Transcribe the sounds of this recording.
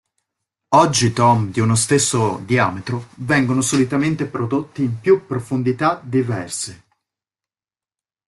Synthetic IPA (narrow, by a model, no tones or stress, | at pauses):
ɔd͡ʒːit̪ɔmd̪iunost̪esːod̪ia̰ːmet̪ɾovɛŋɡonosolit̪ament̪epɾod̪ot̪ːiːmpjupːɾofond̪it̪ad̪ivɛrse